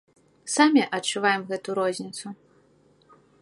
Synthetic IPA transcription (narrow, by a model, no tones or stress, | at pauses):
samʲɛʔɐt͡ʂːuvajɛmɣɛt̪uɾɔzʲnʲit̪su